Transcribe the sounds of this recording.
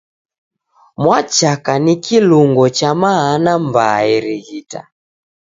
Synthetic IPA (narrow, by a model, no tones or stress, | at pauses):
mwat͡ʃakanikiluŋɡɔt͡ʃamaanambaɛɾiɣita̰